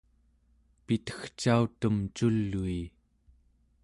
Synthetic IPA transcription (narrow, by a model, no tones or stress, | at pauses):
pit̪ə̥xt͡ʃawt̪umt͡ʃulːuj